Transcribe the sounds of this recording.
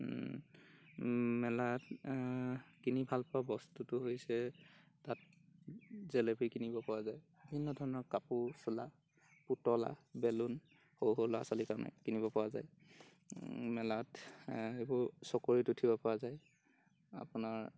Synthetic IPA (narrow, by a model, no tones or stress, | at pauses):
mɛlat | kinibʱalpɔabɔstutʊɦojsɛtat̚ | zɛlepikinibɔpɔwazajbibʱinːɔdʱɔɹɔnɔkapusula | putɔla̰bɛlun | howɦolɔwa̰salikaɹna̰kinibɔpawaza̰j | mɛlatebʊɹsɔkoɹitʊtʰibɔpɔwazaj | a̰pʊnaɹ